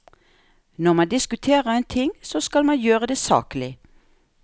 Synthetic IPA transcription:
nɔʁmɑd̪ɪskʉt̪ʰeːʁəʁeːnt̪ʰɪŋsoːskɑlmɑjøːʁəd̪eːsɑ̰ːklɪ

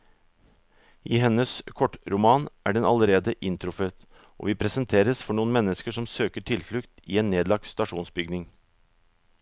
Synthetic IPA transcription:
ʔiːɦɛnəskʰɔʈːɾʊmɑːnʔæ̰ːɖɛnɑ̰ləɾeːd̪əʔɪnt̪ʰɾʊfət̪ | ʔo̰ːʋiːpʰɾɛsənt̪ʰeːɾəsfɔɳuːənmɛnːəskəʂɔmsøːkəʈʰɪlflʉkt̪ḭːeːnːeːd̪lɑɡ̚st̪ɑʂuːnsbʏɡnɪŋ

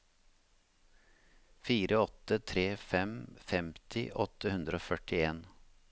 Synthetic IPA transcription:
fiːɾʔəɔt̪ət̪ʰɾeːfɛmfɛmt̪ʰɪ̰ʔɔt̪əhʉnd̪ɾəoːfœʈɪeːn

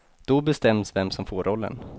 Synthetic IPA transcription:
d̪̥ɔbɛst̪ɛmːsvɛmsɔmfoːɾʔɔlːə̰n

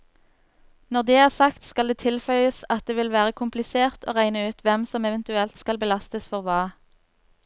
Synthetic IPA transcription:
nɔʁd̪eːæːʁsɑkt̪skɑld̪eːt̪ʰɪlfœʏəsɑt̪̚d̪eːʋɪlʋæːʁəkʰʊmplɪseːʁt̪ʰo̰ːʁæɪnəʉːt̪ʰʋɛmsɔmɛʋɛnt̪ʉɛlt̪skɑlbəlɑst̪əsfɔʁʋɑː

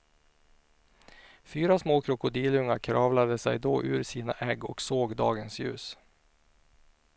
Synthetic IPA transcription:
fyːɾasmoːkʰɾʊkʊd̪iːlɵŋːakʰɾɑːvlad̪əsɛjd̪oːʔʉ̟ːɾsiːnaʔɛɡɔksoːɡd̪ɑːɡənsjʉ̟̰ːs

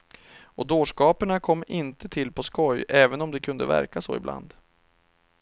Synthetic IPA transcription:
ɔd̪oːʂkɑːpəɳakʰɔmːɪnt̪ət̪ʰɪlːpʰɔskɔjɛːvənɔmd̪ɛkʰɵnd̪ə̰væ̰ɾkasɔ̰ːɪ̰bla̰nd̪

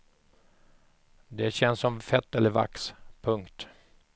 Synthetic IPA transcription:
d̪ɛɕɛnsːɔmfɛt̪ːɛlːəɾva̰kspʰɵŋkt̪

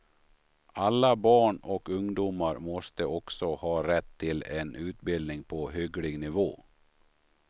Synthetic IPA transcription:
alːabɑːɳɔkɵŋd̪uːmaɾmɔst̪əɔksɔhɑːɾɛt̪ʰːɪlɛnʔʉ̟ːt̪bɪld̪nɪŋpʰɔɦʏɡlɪɡnɪvoː

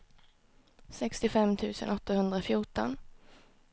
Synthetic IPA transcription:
sɛkst̪ɪfɛmt̪ʰʉ̟ːsə̰nɔt̪ːahɵnd̪ɾafjuːʈɔ̰n

